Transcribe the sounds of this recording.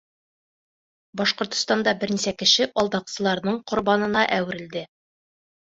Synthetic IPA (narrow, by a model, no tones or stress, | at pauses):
bɒʃqŏɾt̪ŏ̥st̪ɑnd̪ɑbɘɾnisækɘ̆ʃɘʔɒlˠd̪ɑqsɤ̆lˠɑɾnɤɴqŏɾbɑnɤ̆nɑʔæwɘ̆ɾɘ̆ld̪ɘ